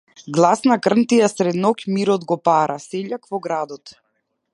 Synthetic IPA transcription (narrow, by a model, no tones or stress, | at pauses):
ɡlˠasnakr̩nt̪ijasɾɛd̪nɔkmiɾɔd̪ɡɔpaɾʔasɛʎakvɔɡɾad̪ɔt̪